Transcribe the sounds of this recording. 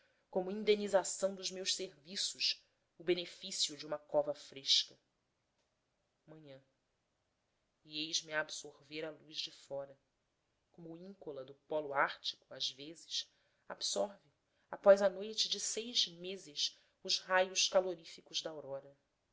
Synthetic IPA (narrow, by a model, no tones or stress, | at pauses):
kõmʊĩnd̪enizasɐ̃w̃d̪ʊʒmewʃseɾvisʊʃ | ʊbenefisiʊd͡ʒɪũmɐkɔvɐfɾeʃkɐ | mɐ̃ɲɐ̃ | iejʒmiaːbsoɾveɾalujzd͡ʒɪfɔɾɐ | kõmʊĩŋkolɐd̪ʊpɔlʊaɾt͡ʃi̥kʊazvezɪʃ | a̰bsɔɾvɪ | apɔzɐnojt͡ʃɪd͡ʒɪsejʒmezɪʃ | ʊzhajʊʃkaloɾifikʊʒd̪ɐawɾɔɾɐ